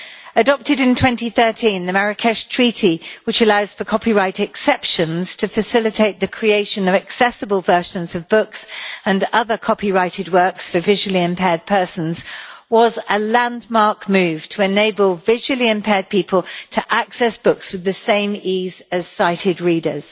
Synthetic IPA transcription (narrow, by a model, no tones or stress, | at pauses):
ədɒp̚tɪdɪ̃ntʰw̥ɛ̃ntiθɜˑ˞tʰĩnðəmaɹɨkʰɛʃtʰɹ̥iˑtʰiwɪt͡ʃəlaʊz̥fəkʰɒpiɹaɪtɪksɛpʃə̃nz̥tʰəfəsɪlɪtʰeɪʔ̪̚ðɨkʰɹ̥ieɪʃə̃nʌvɨksɛsəbəlˠvɜˑ˞ʃə̃nzəvbʊksə̃nʌðəkʰɒpiɹaɪtɨd̚wɜˑ˞ksfəvɪʒəl̩ˠiɪ̃mpʰɛːd̚pʰɜˑ˞sə̃n̩z̥wɒzəlæ̃ndmɑɹkmʉːv̥tʰəɪneɪbəlˠvɪʒwəl̩ˠiɪ̃mpʰɛːd̚pʰiˑpʰəlˠtʰəʔaksɛsb̥ʊkswɨðɨsẽɪ̃miːz̥əz̥saɪtʰɪd̚ɹiːdə̰z̥